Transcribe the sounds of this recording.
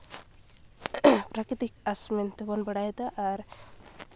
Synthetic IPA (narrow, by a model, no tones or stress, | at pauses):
pɾakɾit̪ik̚asment̪ebɔnbəɽajd̪aʔːɾ